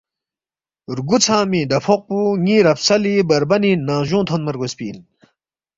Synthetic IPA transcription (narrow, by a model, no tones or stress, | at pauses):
ɾɡut͡sʰaːmiɖ̪ɐpʰoq̚puŋiːɾɐpsɐlibɐɾbɐninãːʑõːt̪ʰonmɐɾɡospiːn